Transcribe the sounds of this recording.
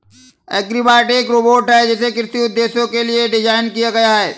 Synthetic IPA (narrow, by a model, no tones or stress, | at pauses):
ɛːɡɾibaːʈeːkɾoboːʈɦɛd͡ʒɛːsekɪɾɪt̪iʊd̪ːeːsjõkelieɖɪd͡ʒaːɪnkijaɡɐjaɦɛː